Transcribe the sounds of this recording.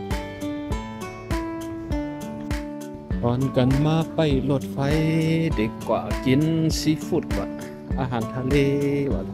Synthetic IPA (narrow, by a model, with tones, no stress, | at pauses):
hɔː˨nka˨nmaː˦˥pa˧˨jlo˧˨t̚fa˧˦jde˨kkwa̰˨ki˨˦nsi˧˦fu˧˩t̚wa̰˧˨ | ʔa˧˦ɦaː˨nt̪ʰa˧le˧˦wa̰˨